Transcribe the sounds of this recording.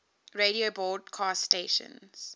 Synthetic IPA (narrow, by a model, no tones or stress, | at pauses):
ɹeɾiobɔd̚kʰaːstːteːʃə̰̃nz̥